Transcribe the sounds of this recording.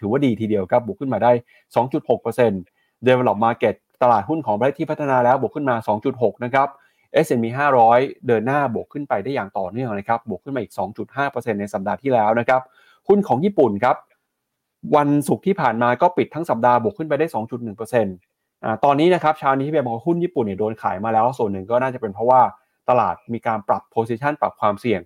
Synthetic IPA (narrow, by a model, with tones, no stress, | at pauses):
t̪ʰɯː˩˦waː˥˩diː˧t̪ʰiː˧di˧əwkʰa˦˥p̚bu˨˩kʰːɯ˥˩maː˧daː˥˩j | sɔː˩˦ŋt͡ɕu˨˩t̪̚ho˨˩k̚pɤː˧se˧n | doː˧jwa˧lɔː˨˩p̚maː˧ke˨˩t̪̚t̪a˧laː˨˩t̪̚hu˥˩nkʰɔː˩˦pa˧˦˥t̪ʰiː˥˩pʰt̪ʰːa˧naː˧lɛː˦˥wbu˨˩əkʰːɯ˥˩nmaː˧sɔː˩˦ŋt͡ɕu˨˩t̪̚ɦo˨˩k̚na˦˥kʰa˦˥p̚ | ʔe˦˥sʔe˧miː˧ɦaː˥˩ɾɔː˦˥jdɤː˧nːaː˥˩bu˨˩əkʰːɯ˥˩npa˧jda˥˩jaː˨˩ŋt̪ɔː˨˩nɯ˥˩əŋna˦˥kʰa˦˥p̚bu˨˩əkʰɯ˥˩naː˧ʔiː˨˩k̚sɔː˩˦ŋt͡ɕu˨˩t̪̚ɦaː˥˩pɤː˧se˧nːa˧jsa˨˩p̚daː˧t̪ʰiː˥˩lɛː˦˥wna˦˥kʰa˦˥p̚ | hu˥˩nkʰɔː˩˦ŋjiː˥˩pu˨˩nkʰa˦˥p̚ | wa˧nsu˨˩k̚t̪ʰiː˥˩pʰaː˨˩nmaː˧kɔː˥˩pi˨˩t̪ʰːa˦˥ŋsa˨˩p̚daː˧bu˨˩əkʰːɯ˥˩npa˧jda˥˩jsɔː˩˦ŋt͡ɕu˨˩t̪̚nɯ˨˩ŋpəː˧se˧n | ʔaː˨˩t̪ɔː˧nːiː˦˥na˦˥kʰa˦˥p̚t͡ɕʰaː˦˥wniː˦˥i˥˩˧mɔ˧˩˦wa˥˦hu˥˩njiː˥˩pu˨˩ni˥˩doː˧nkʰa̰ː˩˦jmaː˧lɛː˦˥wsu˨˩ənːɯ˨˩ŋkɔː˥˩naː˥˩t͡ɕa˨˩pe˧npʰɾɔ˦˥waː˥˩ | t̪a˧laː˨˩t̪̚miː˧kaː˧npɾa˨˩pʰːoː˧˥si˧˥t͡ɕʰa˥˩npɾa˨˩p̚kʰwaː˧msi˨˩əŋ